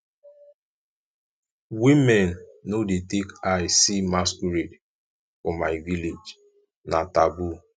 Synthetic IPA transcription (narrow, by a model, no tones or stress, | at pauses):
wimɛnːodetekaɪsimaskuɾed | fɔmaɪviled͡ʒ | natabu